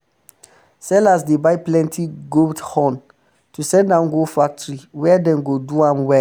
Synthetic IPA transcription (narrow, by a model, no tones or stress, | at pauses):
sɛlasdebaɪplɛ̃ntʰiɡoldhɔ̃n | tusɛ̃ndãʊ̃nɡofak̚tɹiwɛɛdɛ̃mɡoduãmwɛ